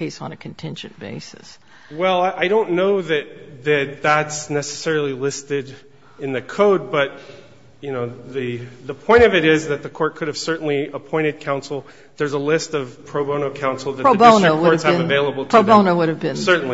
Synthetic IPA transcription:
eɪsn̩ɨkʰn̩tʰɪ̃nd͡ʒɨ̰̃nb̥ḛɪsɨs | wɛlˠaɪʔaɪɾõʊ̃nːoʊðɨt̪̚ðɨt̪̚ðætsnɛsɨ̥sɛɹl̩ˠilɪstɪɾ | ɨ̃nðɨkʰoʊd̚bʌt̚ | jɨnoʊðɨðəpʰɔ̃ɪ̃ɾ̃ʌvɨɾɪzðɨt̪̚ðɨkʰɔɹt̚kʰʊɾɨv̥sɜ˞ʔn̩liəpʰɔ̃ɪ̃ɾ̃ɨd̚kʰãʊ̃nsl̩ˠ | ðə˞zəlɪstʌv̥pʰɹ̥oʊbõʊñoʊkʰãʊ̃nsl̩ˠðɨɹ̥oʊbõʊ̃nowʊɹɨsɨ̃vɨveɪlˠəbl̩ˠʰɹ̥oʊbõʊ̃noʊwʊɾɨvbɨ̃nsɜ˞ʔn̩li

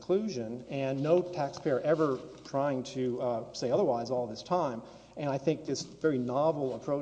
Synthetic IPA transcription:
kʰl̥ʉʒɨ̃nɨ̃nːoʊtʰækspʰeɪə˞ʔɛvə˞tʰɹ̥aɪɪ̃ŋtʰɨseɪʌðə˞waɪzɔlˠðɪstʰãɪ̃m | ɨ̃ñaɪθɪ̃ŋk̚ðɪsvɛɹinɑvl̩ˠəpʰɹ̥oʊ

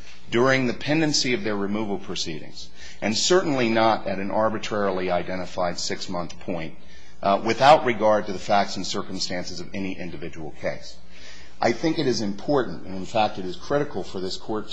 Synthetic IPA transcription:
dʊɹɪ̃ŋðɨpʰɛ̃ndɨ̃nsiʌvðə˞ɹɨmuvl̩ˠpʰɹ̥ɨsiɾɪ̰̃ŋz̥ | ʔɨ̃nsɜ˞ʔn̩linəɾɨɾɨ̃n̩ʔɑɹbɨtʰɹ̥ɛɹl̩ˠiaɪdɛ̃ɾ̃ɨfaɪd̥sɪksmʌ̃nθpʰɔ̃ɪ̃nt̚ | wɪθaʊʔ̚ɹɨɡɑɹd̚tɨðɨfæk̚tsn̩sɜ˞km̩stæ̃nsɨzʌvɛniʔɪ̃ndɨvɪd͡ʒəwl̩ˠkʰeɪs | ʔa̰ɪθɪ̃ŋkɨɾɨzɨ̃mpʰɔɹʔn̩tɨ̰̃nɨ̃nfæk̚tɨɾɨz̥kʰɹ̥ɪɾɨkl̩ˠfə˞ðɪskʰɔɹt

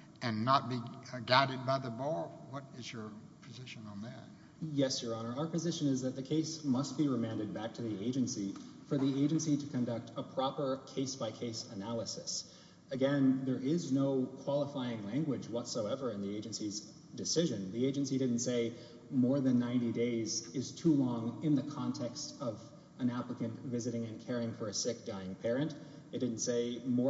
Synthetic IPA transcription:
ʔɨ̃nːət̚b̥iɡæɾɨd̚baɪðəbɔɹwʌɾɪzjə˞ | pʰɨzɪʃɨ̃nə̃n̩ðɨt̚ | jɛsjə˞ɑnə˞aʊə˞pɨzɪʃɨ̃nɨzðɨt̪̚ðɨkʰeɪsmʌst̚b̥iɹɨmæ̃ndɨd̚bæk̚tʰɨðieɪd͡ʒɨ̃nsifə˞ðieɪd͡ʒɨ̃nsiɾɨkʰɨ̃ndʌk̚tʰəpʰɹ̥ɑpə˞kʰeɪsb̥aɪkʰeɪsənælˠəsɨs | ɨɡɛ̃nðə˞ʔɪznoʊkʰw̥ɑlˠəfaɪɪ̃ŋlæ̃ŋɡwɨd͡ʒwʌtsoʊɛvə˞ɨ̃nðieɪd͡ʒɨ̃nsiz | dɨsɪʒɨ̃nðieɪd͡ʒɨ̃nsidɪdⁿn̩tseɪ | mɔɹðɨ̃nːãɪ̃ntideɪzɪz̥tʰulɔ̃ŋɪ̃nðɨkʰɑ̃ntʰɛkstʌv | ɨ̃næpləkɨ̃ntvɪzɨɾɪ̃ŋɨ̃nkʰɛɹiɪ̃ŋfə˞ɨsɪk̚d̥aɪɪ̃ŋpʰɛɹɨ̃nt | ɨt̚d̥ɪdⁿn̩tseɪmɔ

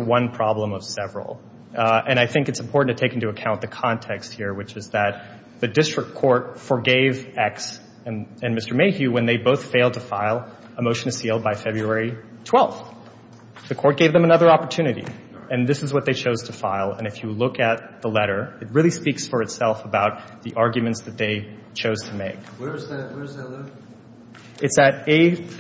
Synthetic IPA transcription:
əwʌ̃npʰɹ̥ɑblə̃mʌv̥sɛvɹl̩ˠ | ɨ̃ɾ̃naɪθɪ̃ŋkɨtsm̩pʰɔɹʔn̩tʰɨtʰeɪkɪ̃ntuəkʰãʊ̃nðɨkʰɑ̃ntʰɛkst̚hiɹwɨt͡ʃɨzðɨt̪̚ | ðɨdɪstɹ̥ɨkʰːɔɹt̚fə˞ɡeɪvɛks | ɨ̃nmɪstə˞meɪhjʉwɨ̃nðeɪboʊθfeɪlˠd̚tʰɨfaɪlˠ | əmoʊʃɨ̃nɨz̥silˠd̚baɪfɛbɹʉɛɹi | tʰw̥ɛlˠf | ðɨkʰɔɹt̚ɡ̥eɪvðɨ̃mənʌðə˞ɑpə˞tʰʉñɨɾḭ | ɨ̃nðɪsɨzwʌt̪̚ðeɪt͡ʃʰoʊz̥tʰəfaɪlˠə̃nɨfjɨlʊkɨt̪̚ðəlɛɾə˞ɨt̚ɹɪlˠispiksfə˞ɨtsɛlˠfəbaʊt̪̚ | ðiʔɑɹɡjmɨ̃ntsðɨt̪̚ðeɪ | t͡ʃʰoʊz̥tʰəmeɪk̚wzwz | ɨtsɨɾeɪ

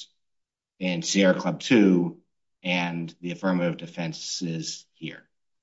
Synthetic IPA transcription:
ɨ̃nsiɛɹkʰl̥ʌb̚tʰʉ | ɨ̃nðiɨfɜ˞mɨɾɨvdɨfɛ̃nsɪz̥hiɹ

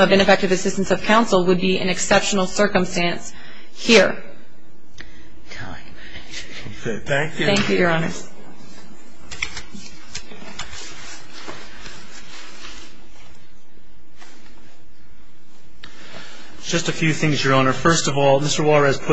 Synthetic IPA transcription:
ʌvɨ̃ñɨfɛk̚tɨvɨsɪstn̩sʌv̥kʰãʊ̃nsl̩ˠwəd̚biɨ̰̃nɨksɛpʃn̩l̩ˠsɜ˞kə̃mstæ̃ns | hiɹ | tʰã̰ɪ̃m | θæ̃ŋkθæ̃ŋkjʉjə˞ɑnə̰˞z̥ | d̥ʒ̥ʌstɨfjʉθɪ̃ŋzjə˞ɑnə˞fɜ˞stʌvɔlˠmɪstə˞wɑɹɛz̥pʰʊ

